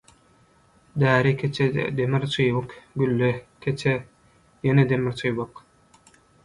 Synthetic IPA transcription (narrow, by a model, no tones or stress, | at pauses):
d̪æːɾikʲʰet͡ʃʰed̪emiɾt͡ʃʰɯjβɯkɡylːekʲʰet͡ʃʰe | jened̪emiɾt͡ʃʰɯjβɯq